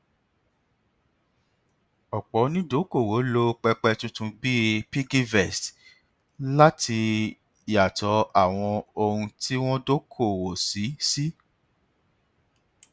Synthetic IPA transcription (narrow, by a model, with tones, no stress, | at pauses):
ɔ˨k͡pɔ˨˦nĩ˦do˨˦ko˦˨wo˨˦lo˦k͡pɛ˧k͡pɛ˧tũ˦tũ˧bi˦˧pi˦ɡi˦vɛ˦˨st | la˦ti˧˦ | a˨tɔ˨˧˦a˦˨w̃ɔ̃˧o˧hũ˧ti˦w̃ɔ̃˦do˦kʰo˦˨wo˨si˨˦si˦